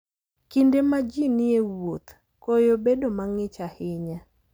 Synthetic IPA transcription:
kindemad͡ʒinɪewot̪ | kojobedomaŋɪt͡ʃahɪɲa

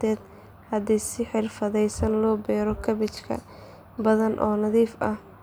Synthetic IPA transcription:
ɛːd̪ | hɐd̪ɛsɪħɪrfɐðɛjsɐnlɔːbɛːɾɔkʰɐβɪt͡ʃkʰɐ̰ | bɐðɐnʔɔ̰ːnɐðiːfɐh

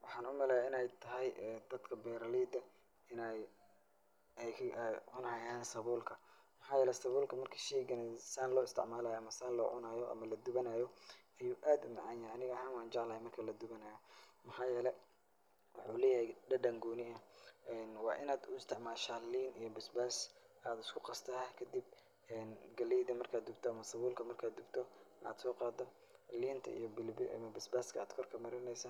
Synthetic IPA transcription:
wɑħɑːnʊmɛlɛːjaɪnɛjt̪ʰɐɦɛjɛd̪̥ɐd̪kʰɐbɛɾɐliːd̪ɐ | ɪnɛj | ɛjʰʕʊnɐhɐjaːnsɐβuːlkʰɐ | mɐħɑːjɛːlɛsɐβuːlkʰɐmɐrkʰɐ̥ʃɛːɡɐnɐsaːnlɔːɪst̪ʰɪ̰ʕmaːlaːjɔɐmɐsaːnlɔ̰ːʕʊ̰naːjɔʔɐ̰mɐlɐd̪ʊβɐnaːjɔɐjuːʔaːd̪ʊmɑ̰ʕɑnjɐhjɐnɪɣɐhaːnwaːnt͡ʃɑʕlɐːhɛmɐrkʰɐlɐd̪ʊβɐnɐːjɔmɐħɑːjɛːlɛ | wɑħuːlɛːjɐhɦɛɖɐɖɐŋɡuːnɪɐɛnwɑːʔɪ̰naːd̪ʊɪst̪ʰɪʕmaːlʃaːliːnijɔbɪsbaːsaːd̪ʊskʰʊqɑst̪ʰɐɦakʰɐd̪ib̚ | ɛːnɡɐliːd̪ɐmɐrkʰaːd̪ʊbt̪ʰɔɐmɐsɐβuːlkʰɐmɐrkʰaːd̪ʊbt̪ʰɔna̰ːd̪sɔːqɑːd̪ɔ | liːnt̪ʰɐ̰ḭjɔbɪlbʔɐ̰mɐbɪsbaːskʰɐa̰ːd̪kʰɔrkʰɐmɐɾɪnɛjsɐ

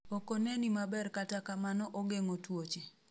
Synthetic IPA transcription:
okonenimabɛrkatakamanɔʔɔɡeŋotwot͡ʃe

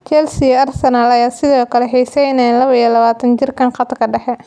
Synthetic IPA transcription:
t͡ʃɛlsɪɐrsɐnaːlɐjaːsɪðɔːkʰɐlɛħiːsɛnɛlɐβɐijlɐβaːt̪ʰɐnt͡ʃɪrkʰɐnqɑt̪kʰɐɖɛħɛ

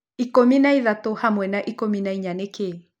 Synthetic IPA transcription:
ikominaiðatohamwɛnaʔikominaiɲaneke

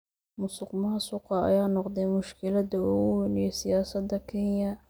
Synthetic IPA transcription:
mʊsʊqmaɐsʊqɑɐ̰jaːnɔqd̪ɛjmʊʃkʰɪlɐd̪ɐuːɣʊwɛnjɛsɪjaːsɐd̪ɐkʰɛnjɐ

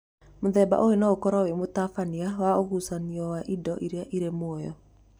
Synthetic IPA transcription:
moðɛba̰ʔoenaokɔɾawemotafaniawaoɣusaniɔwaʔidɔʔiɾeaʔiɾemoɔjɔ̰

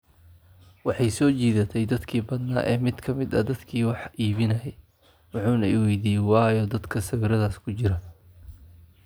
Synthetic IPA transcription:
wɑħɑjsɔːt͡ʃiːðɐt̪ʰɛjd̪ɐd̪kʰiːbɐd̪na̰ːʔɛːmɪd̪kʰɐmɪd̪ɐ̰d̪ɐd̪kʰiːwɑħʔiːβɪnɐjɛj | wɑħuːnɐiwɛjd̪iːjɛwɑːjɔːd̪ɐd̪kʰɐsɐwɪɾɐðaːskʰʊt͡ʃɪɾɐ

